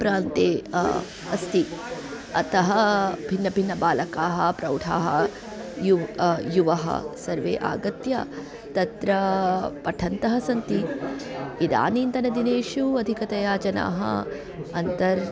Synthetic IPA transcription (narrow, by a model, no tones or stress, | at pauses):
pɾaːnt̪eː | ɐst̪i | ɐ̰t̪ɐɦɐbʱinːɐbʱinːɐbaːlɐkaːɦɐpɾɐwʈʰa̰ːɦɐ̰ | jujuʋɐɦɐ̰sɐɾʋḛːʔa̰ːɡɐt̪jɐ̰ | t̪ɐt̪ɾɐpɐʈʰɐnt̪ɐɦɐsɐnt̪i | id̪a̰ːniːnt̪ɐnɐd̪ineːʃuɐd̪ʱikɐt̪ɐjaːd͡ʒɐna̰ːɦɐ̰ | ɐnt̪ɐɾ